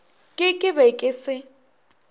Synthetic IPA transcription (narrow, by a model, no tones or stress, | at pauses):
kʼɪkʼɪbɛkʼɪsɪ